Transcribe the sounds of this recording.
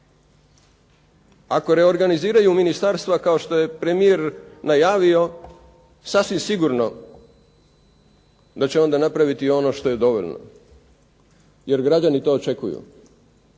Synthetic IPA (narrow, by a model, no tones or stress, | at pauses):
ako̞ɾe̞o̞ɾɡaniziːɾajuminist̪aɾst̪ʋakao̞ʃt̪o̞je̞pɾe̞mijeɾnajaːʋio̞ | sasʋimsiɡuɾno̞ | d̪at͡ɕeo̞nd̪anapɾaʋit̪io̞no̞ːʃt̪o̞je̞d̪o̞ʋo̞̰ʎno̰ | je̞ɾɡɾad͡ʒanit̪o̞ːt͡ʃe̞kujṵ